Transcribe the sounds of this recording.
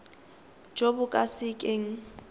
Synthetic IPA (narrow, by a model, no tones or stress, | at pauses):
d͡ʒobʊkʼasɪkʼeːŋ̩